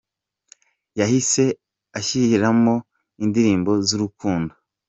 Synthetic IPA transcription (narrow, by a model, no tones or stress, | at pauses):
jahise̞ | açihiɾamo̞ | indiɾiːmbo̞zuɾukuːndo